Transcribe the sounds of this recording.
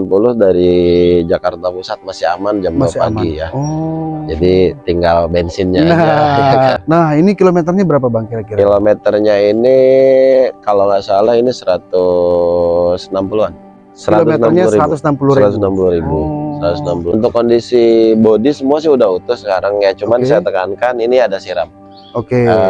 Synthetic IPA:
ampulʊhdaɾid͡ʒakart̪apusat̪̚masɪa̰mand͡ʒamaspa̰mɡijaɔd͡ʒadit̪iŋɡalbɛnsɪnɲaa | nahinikilomet̪ərɲabəɾap̬abaŋkiɾakiɾkilomɛt̪ərɲaini | kalomasalahinisəɾat̪ʊ | snampuluan | səɾatomenarɲaɾiɾat̪ʊsnampuluiat̪snampuluɾibusəɾat̪ʊsnampulunt̪̬ʊkːondisibodisəmuasɪhudaɦut̪ʊsəkaɾaŋjat͡ʃumansajat̪əkankaniniadasiɾam | okeə

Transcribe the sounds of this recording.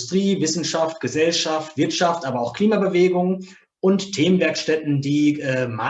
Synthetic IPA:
stʁ̥iːvɪsn̩ʃaftɡ̥əzɛlʃaftv̥ɪɐtʃaftʔaːbɐaʊxkʰl̥iːmabəveːɡʊŋ | ʔʊnttʰːeːmənvɛɐkʃtɛtn̩diːʔɛːma

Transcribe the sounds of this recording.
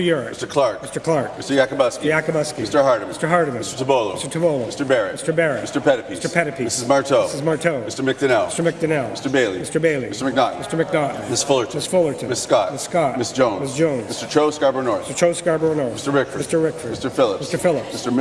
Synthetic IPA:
jʊɹɨstə˞kʰl̥ɑɹk̚mɪstə˞kʰl̥ɑɹkɪstə˞jækəbʌskiə˞jækəbʌskistə˞hɑɹɾmɪstə˞ɦɑɹɾɨmɪsə˞tʰəbolˠoʊɪstə˞tʰəboʊlˠoʊmɪstə˞bɛɹɪstə˞bɛɹɨtmɪstə˞pʰɛɾɨpistə˞pʰɛɾɨpʰimɪsɨzmɑɹtʰoʊsɨzmɑɹtʰoʊmɪstə˞mɪk̚dɨnɛlˠɪstə˞mɪk̚dɨnɛlˠmɪstə˞beɪlˠḭmɪstə˞beɪlˠiɪstə˞mɨk̚nɑn̩mɪstə˞mɨk̚nɑʔn̩mɪsfʊlˠə˞tmɪsfʊlˠə˞tɨ̃mɪsskɑtɪsskɑt̚mɪsd̥ʒ̥õʊ̃nmɪsd̥ʒ̥õʊ̃nmɪstə˞tʰɹoʊskɑɹbə˞nɔɹstə˞t͡ʃʰoʊskɑɹbə˞nɔɹɪstə˞ɹɪkfə˞mɪstə˞ɹɪkfə˞ɪstə˞fɪlˠəmɪstə˞fɪlˠəpmɪstə˞

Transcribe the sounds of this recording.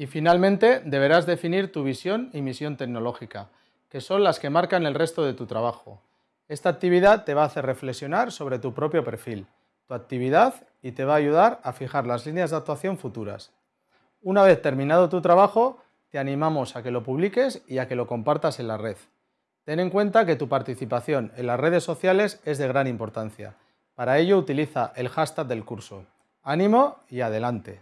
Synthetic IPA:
ifinalmẽnt̪e̞d̪e̞βe̞ɾazðe̞finiɾt̪uβ̞isjo̞nimisjo̞nt̪e̞kno̞lo̞xika | ke̞so̞nlaske̞maɾkane̞lre̞st̪o̞ð̞e̞t̪ut̪ɾaβaxo̞̰ | e̞st̪aːk̚t̪iβ̞iðat̪ːe̞β̞aːθe̞re̞fleksjo̞naɾso̞βɾe̞t̪upɾo̞pjo̞pe̞ɾfil | t̪uak̚t̪iβiðað | it̪e̞βaːʝuð̞aɾafixaɾlazlinjazðak̚t̪waθjo̞ɱfut̪uɾa̰s | unaβe̞θt̪e̞ɾmĩnað̞o̞t̪ut̪ɾaβ̞axo̞ | t̪e̞anĩmamo̞sake̞lo̞puβ̞like̞siake̞lo̞ko̞mpaɾt̪ase̞nlare̞ð | t̪e̞ne̞ŋkwe̞nt̪ake̞t̪upaɾt̪iθipaθjo̞ne̞nlasre̞ð̞e̞sːo̞θjale̞se̞zðe̞ɣ̞ɾanĩmpo̞ɾt̪an̟θja̰ | paɾaeʎo̞ut̪iliθaʔe̞lxast̪ak̪̚ðe̞lkuɾso̞ | anĩmo̞iaðe̞lant̪e̞

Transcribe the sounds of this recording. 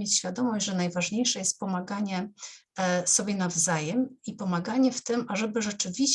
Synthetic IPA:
et͡ɕɕfʲjad̪ɔmɔʑd͡ʑʲʐɛnajvaʐɲejʂɛjɛst̪̚pɔmaɡaɲɛ | sɔbʲjɛnavzajɛmipɔmaɡaɲɛft̪ɘmʔaʐɛbɘʐɛt͡ʂɘvʲiɕ

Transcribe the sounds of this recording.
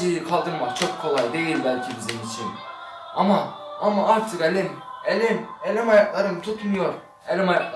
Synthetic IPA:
ijikʰalˠd̪ɯɾmakt͡ʃʰo̞kʰːo̞lˠajd̪e̞jilʲbælʲcʰibizimit͡ʃʰin | ama | amaaɾt̪ʰɯkelʲimelʲimelʲimajaklˠaɾɯmt̪ʰut̪ʰnujoɾ | elʲimajak̪ˠ

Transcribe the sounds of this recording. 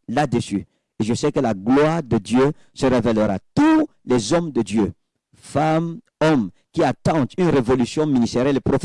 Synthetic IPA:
lad̪əsy | eʒəsɛkəlaɡlwaːʁd̪əd̪jø | səʁevɛləʁa̰t̪u | lɛzɔmd̪əd̪jø | fam | ɔm | kʲiat̪ɑ̃t̪ynʁevolysjɔ̃minist̪ɛʁjɛlepɾof

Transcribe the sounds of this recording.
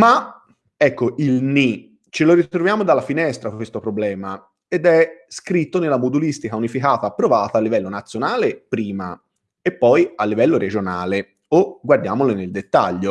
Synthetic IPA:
ma | ɛkːoʔilni | t͡ʃeloɾitt̪ɾovjaːmod̪alːafinɛst̪ɾakwest̪opɾoblɛːma | ed̪ɛskɾit̪ːonelːamud̪ulist̪ikaunifikaːt̪aːpːɾovaːt̪aːlːivɛlːonat̪sːjonaːlepɾiːma̰ | epːɔjalːivɛlːoɾed͡ʒona̰ːle | oɡward̪jaːmoleneld̪et̪ːa̰ʎːo

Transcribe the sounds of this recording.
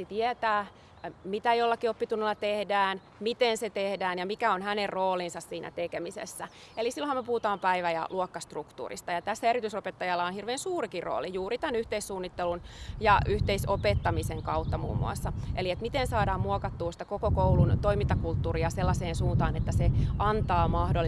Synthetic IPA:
it̪iɛt̪æː | mit̪æjolːɑkiopːit̪unːelːɑt̪ehdæːn | mit̪enset̪ehdæːnjɑmikæonhænerroːlinsɑssiːnʔæ̰t̪ekemisḛsːæ | elisilːõhɑmepuhut̪ɑːmpæiʋæjɑ̰lʔuokːɑst̪rukt̪ṵːrḭst̪ɑjɑt̪æsːæeɾit̪ysopet̪ːɑjɑlːɑonhirʋeːnsuːrikirro̰ːlijuːrit̪ænyht̪eissuːnːit̪ːelunjɑyht̪eisopet̪ːɑmiseŋkɑut̪ːɑmṵːmːṵɑ̰sːɑʔeliet̪mit̪ensɑːdɑːmmuokɑt̪ːuːsi̥t̪ækokokoulunt̪oimint̪ɑkult̪ːuːɾiɑselːɑseːnsuːnt̪ɑːnet̪ːæseʔɑnt̪ɑːmɑhdolːi

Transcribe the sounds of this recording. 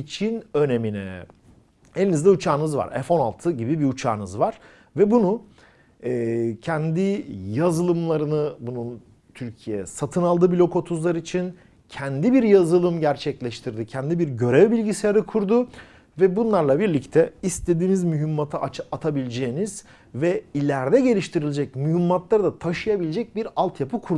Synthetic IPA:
it͡ʃʰinø̞ne̞minɛ̰ | enʲinizd̪ɛut͡ʃʰaːnɯzva̰ɾɛ̰fo̞na̰lˠt̪ʰɯɟibibiut͡ʃʰa̰ːnɯzvaɾ̥ | vɛbunu | ɛːcʰɛnd̪ijazɯlˠɯmlˠaɾɯnɯbunun | t̪ʰyɾcʰijɛ̰sat̪ʰɯnalˠd̪ɯbilʲo̞kʰo̞t̪ʰuzlˠaɾit͡ʃʰin | cʰɛnd̪ibiɾjazɯlˠɯmɟæɾt͡ʃʰɛclʲɛʃt̪ʰiɾd̪icʰɛnd̪ibiɾɟø̞ɾɛvbilʲɟiseaɾɯkʰuɾd̪ʊ | vɛbunlˠaɾlˠabiɾlʲict̪ʰɛist̪e̞d̪iːmizmyɦymːat̪ʰaat̪ʰabilʲed͡ʒejːniz̥ | vɛilʲæɾd̪ɛɟe̞lʲiʃt̪ʰiɾilʲed͡ʒɛc̚myɦimːat̪lˠaɾd̪at̪ʰaʃɯjabilʲed͡ʒɛc̚biɾalˠt̪ʰjapʰɯkʰuɾ

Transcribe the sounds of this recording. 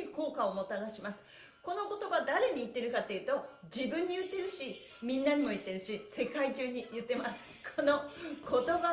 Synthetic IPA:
iko̞ːkaomo̞t̪aɡaɕimasɨ̥ | ko̞no̞ko̞t̪o̞bad̪aɾe̞ɲ̟iːt̪ːe̞ɾɯ̟kat̪ːe̞jiɯ̟t̪o̞d͡ʑibɯ̟̃ɲ̟ːijɯ̟t̪ːe̞ɾɯ̟ɕi | mʲĩnːaɲ̟imo̞it̪ːe̞ɾɯ̟ɕise̞kaiʑɨːɲ̟ijɯ̟t̪ːe̞masɨ̥kʰono̞kʰo̞t̪o̞ba

